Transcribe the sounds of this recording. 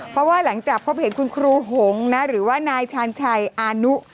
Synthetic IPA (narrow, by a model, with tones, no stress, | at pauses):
pʰɾɔ˦˥waː˥˩la˩˦ŋt͡ɕaː˨˩k̚pʰo˦˥p̚he˨˩˦nkʰu˧nkʰɾuː˧ɦo˩˦ŋna˦˥ɾɯː˩˦waː˥˩naː˧jt͡ɕʰaː˧nt͡ɕʰa˧jʔaː˧nu˦˥